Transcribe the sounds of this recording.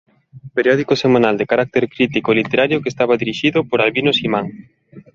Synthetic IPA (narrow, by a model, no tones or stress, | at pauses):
peɾjɔðikosemanald̪ekaɾak̚t̪eɾkɾit̪ikolit̪eɾaɾjokest̪aβaðiɾiʃiðʊpoɾalβinosimãŋ